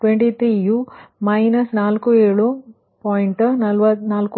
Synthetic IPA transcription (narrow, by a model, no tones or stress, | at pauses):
ʈweɳʈit̪ʰɾiːjumɐjnɐsnaːlkueːɭu | pɔːjɳʈnɐlʋɐnaːlku